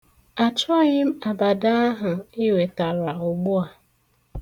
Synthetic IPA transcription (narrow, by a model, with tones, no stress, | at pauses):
a˨t͡ʃɔ˦ɣɪ˦m̩˦a˨ba˨da˦a˦ɦʊ˨ɪ˦we˨ta˨ɾa˨ʊ˨ɡ͡bʊ˦a˨